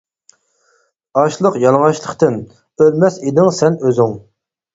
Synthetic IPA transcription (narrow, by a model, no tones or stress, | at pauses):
ɑʃlˠəqjɑlˠʁɑʃlˠəqt̪ɨn | ølmɛsed̪ɪŋsɛnøzyŋ